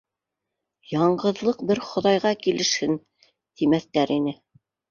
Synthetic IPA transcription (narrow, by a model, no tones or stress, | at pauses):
jɑɴɢɤ̆ðlˠɤq̚bɘɾχŏðɑjʁɑkilɘ̆ʃhɘn | t̪imæθt̪æɾinɘ